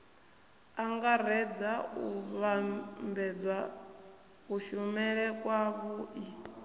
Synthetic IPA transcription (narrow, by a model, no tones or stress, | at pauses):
aŋɡaɾɛd͡zauβambɛd͡zwa | kuʃumɛɺɛkʼwaβuʔi